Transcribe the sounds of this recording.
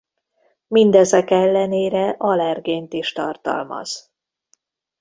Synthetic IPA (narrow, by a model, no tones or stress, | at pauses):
mind̪ɛzɛkɛlːɛneːɾɛʔɒlɛrɡeːnt̪iʃt̪ɒrt̪ɒ̰lmɒ̰z̥